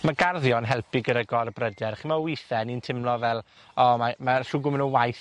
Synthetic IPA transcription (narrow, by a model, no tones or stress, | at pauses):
maɡarðjɔnɦɛlˠpʰɪɡəɾəɡɔrbrədɛɾχimawɪθɛnintʰɪmlɔvɛlˠ | ɔmamaɬʊɡʊmənəwajθ